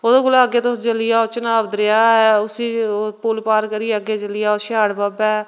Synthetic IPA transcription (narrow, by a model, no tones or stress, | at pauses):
oːd̪oːkʊlaːɡeːt̪osd͡ʒəlɪjaːot͡ʃənaːʋd̪ɾeaːɛʊsiːpʊlpaːɾkəɾiːəɡeːt͡ʃəlɪjaːoʃaːɽbaːbɛː